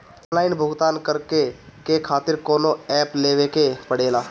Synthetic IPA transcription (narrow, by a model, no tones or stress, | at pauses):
nlaːɪnbʱʊɡt̪aːnkəɾkekekʰaːt̪ɪɾkɔːnoɛːpleːʋekepəɽ̤eːlaː